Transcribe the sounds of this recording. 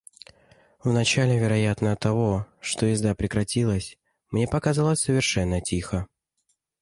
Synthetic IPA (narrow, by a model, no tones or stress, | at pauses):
vnɐt͡ɕalʲɪvʲɪɾɐjat̪nət̪ɐvoʂt̪ojɪzd̪apɾʲɪkɾɐtʲilˠəsʲ | mnʲe̞pɐkazalˠəsʲsəvʲɪrʂɛnːətʲixə